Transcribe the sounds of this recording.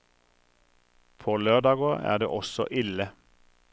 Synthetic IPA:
pʰoːløːʁd̪ɑːɡoːæ̰ːd̪ḛːʔɔsɔ̰ʔɪlə

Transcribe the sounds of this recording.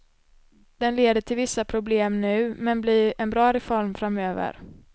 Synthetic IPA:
d̪̥ɛnleːd̪əʈʰɪlvɪsːapʰɾʊbleːmnʉ̟ːmɛnblɪɾɛnbɾɑːɾɛfɔɾmfɾamøːvə̰ɾ

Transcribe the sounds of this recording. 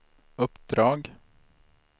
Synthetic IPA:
ɵpd̪ɾɑːɡ

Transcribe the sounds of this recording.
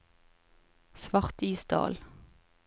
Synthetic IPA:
sʋɑʁt̪iːsd̪ɑ̰ːl

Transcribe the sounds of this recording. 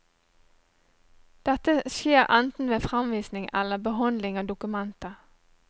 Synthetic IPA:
d̪̥ɛt̪əʃjeːʁɛnt̪n̩ʋeːfʁɑmʋiːsnɪŋʔɛ̰ləbəɦɑnd̪lɪŋɑːd̪ʊkʉmɛnt̪ə

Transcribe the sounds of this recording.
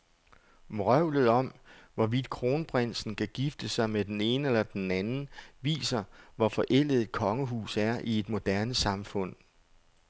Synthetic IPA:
mʁœʊ̰lð̩ˠɒ̽mʋɒʋid̥kʰʁo̝ːnəb̥ʁen̰sn̩kʰæɡ̥ifd̥əsɑ̈ɪmed̥ene̝ːnəelɐd̥enænn̩ʋḭːsɐʋɒfɒ̽ʔel̰ð̩ˠkʰɒ̽ŋəɦṵːsæɐʔie̝d̥mo̝d̥æɐnəsɑ̈mfɔ̽n̰

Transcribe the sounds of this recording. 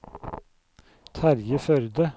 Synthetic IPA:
t̪ʰæɾjəfœɾd̪ə

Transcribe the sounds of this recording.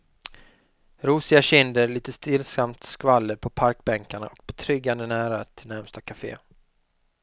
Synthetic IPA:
ɾuːsɪɡaɕɪnd̪əɾɭiːt̪əst̪ɪlsamt̪skvalːəɾpʰɔpʰaɾkbɛŋkaɳa̰ʔɔk̚bɛt̪ʰɾʏɡːand̪ənæːɾat̪ʰɪlnæɾmst̪akʰafḛː

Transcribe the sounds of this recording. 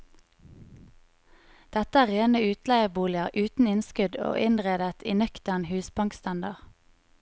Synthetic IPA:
d̪̥ɛt̪əæːʁeːnəʉːt̪læɪəbuːlɪəʁʔʉːt̪n̩ɪnskʉd̪o̰ːʔɪnʁeːd̪ət̪ʰiːnœkt̪əʁnhʉːspɑŋkst̪ɑnd̪ɑʁ

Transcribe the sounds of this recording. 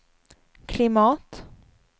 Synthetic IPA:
kʰlɪmɑːt̪

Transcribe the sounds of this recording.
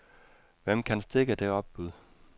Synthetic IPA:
ʋem̰kʰænsd̥e̝ɡ̥əd̥e̝ɒ̽b̥̚b̥uð̰ˠ

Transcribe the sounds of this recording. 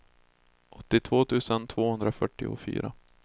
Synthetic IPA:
ʔɔt̪ːɪt̪ʰv̥oːt̪ʰʉ̟ːsənt̪ʰv̥oːhɵnd̪ɾafœʈːɪ̰ʊ̰fy̰ːɾa̰

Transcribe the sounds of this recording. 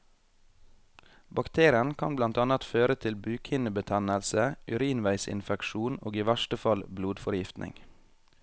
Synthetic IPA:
bɑkt̪ʰeːɾɪənkʰɑ̰nblɑnt̪ɑnɑt̪føːɾət̪ʰɪlbʉːkʰhɪnəbət̪ʰɛnəlsəʔʉɾiːnʋæɪsɪ̰nfɛkʃuːno̰ːɡiːʋæʃʈəfɑlbluːd̪fɔɾjɪft̪nʔɪ̰ŋ

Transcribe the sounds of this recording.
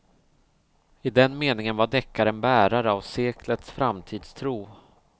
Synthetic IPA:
ɪd̪ɛnmeːnɪŋənvaɖɛkːaɾɛnbæːɾaɾəavseːkʰlət̪sfɾamt̪ʰiːd̪st̪ʰɾuː

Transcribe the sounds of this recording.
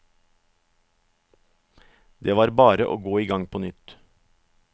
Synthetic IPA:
d̪eːʋɑːɾbɑːɾəʔo̰ːɡoːiːɡɑŋpʰoːnʏt̪

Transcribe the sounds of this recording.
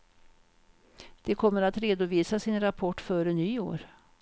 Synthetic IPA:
d̪̥ɛkʰɔmːəɾat̪ɾeːd̪ʊviːsasɪnɾapʰɔʈːfœːɾənyːo̰ːɾ

